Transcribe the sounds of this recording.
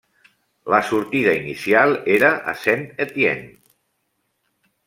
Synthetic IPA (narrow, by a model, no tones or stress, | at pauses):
ləsuɾt̪iðəinisialˠeɾəʔə̰senet̪jḛn